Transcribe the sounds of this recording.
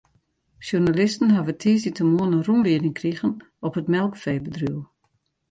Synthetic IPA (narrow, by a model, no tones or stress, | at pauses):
ʃjunalɪstən̩ɦavətʰiːsitəmuənənrunliədɪŋkriɣən | ɔpətmɛlˠkfɛːbədru